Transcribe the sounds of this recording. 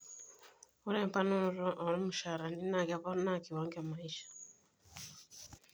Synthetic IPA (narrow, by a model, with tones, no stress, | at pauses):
u˦ɾe˦˨mpa˦nu˦ɾɔ˦ʔa˨ɾɔ˦mu˨ʃa˨ɾa˨ni˦na˨ka˦βa˦na˦˨ki˨wa˦ŋɡe˦a˨ma˨iʃḁ